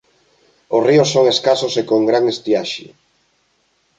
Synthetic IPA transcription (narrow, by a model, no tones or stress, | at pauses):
osriosːoŋeskasosekoŋɡɾaŋest̪iaʃɪ̰